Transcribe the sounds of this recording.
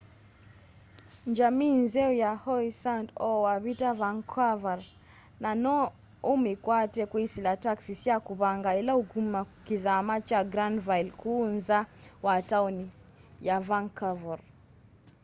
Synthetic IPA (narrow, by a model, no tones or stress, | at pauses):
ɲd͡ʒamiːnzɛujahɔisandɔwaβitavaŋkʰavaɾ | nanɔ | umikwatɛkwisilataksisiakuβaŋɡailauɡumakiðamat͡ʃaɡɾandvajlkuːnzawatauni | javaŋkavaɾ